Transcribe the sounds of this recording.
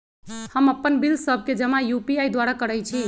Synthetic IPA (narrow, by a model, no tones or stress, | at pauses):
həməpːənbilsəb̚ʱked͡ʒəmajupiajd̪waɾakəɾɛjt͡ʃʰi